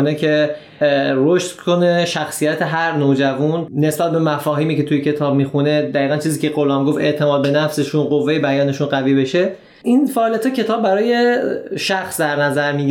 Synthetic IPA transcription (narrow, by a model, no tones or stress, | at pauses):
necʰe̞ | ɾoʃt̪kʰo̞neʃæxsijæt̪ʰe̞ɦæɾnod͡ʒævunːe̞sbæt̪̚be̞mæfɒːɦiːmiːce̞t̪ʰujecʰe̞t̪ʰɒːb̚mixune̞d̪æiːɣænt͡ʃʰiːziːcʲʰe̞ɣo̞lɒːmɡoft̪e̞ʔt̪ʰe̞mɒːd̪̚be̞næfse̞ʃunɢo̞vːejebæjɒːne̞ʃunɢæviːbe̞ʃe̞ | ʔinfæʔːlijæt̪hɒcʰe̞t̪ʰɒːb̚ːæɾɒːjeʃæxsd̪æɾnæzæɾmiː